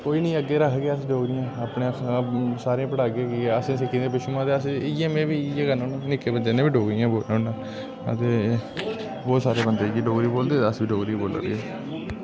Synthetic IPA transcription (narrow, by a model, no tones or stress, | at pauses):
koːiːnəĩːəɡːeːɾəkʰɡaːəsɖoːɡɾɪjãːaːpɳe | saːɾeãpəɽaːɡẽːkiːəsẽːsɪkʰːĩːd̪eːpɪʃuãːt̪eːəsɪjeːmẽːʋiːjeːkənõːnũːnɪkeːbəd͡ʒeːnẽːbiːɖoːɡɾɪjãːboːonãː | ə̰t̪eː | bɔːt̪saːɾeːbənd̪eːɡiːɖoːɡɾiːboːld̪eːəsʋiːɖoːɡɾiboːlə̰ɾḭːɛː